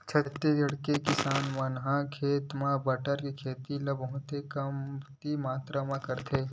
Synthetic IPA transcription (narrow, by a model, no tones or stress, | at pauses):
t͡ʃʰɐt̪ːed͡ʒʱɐɽkekɪsaːnmãnɦãkʰeːt̪mãbɐʈəɾkikʰeːt̪ilɐbõt̪ekɐmt̪imaːt̪ɾamãkɐɾt̪ʰeː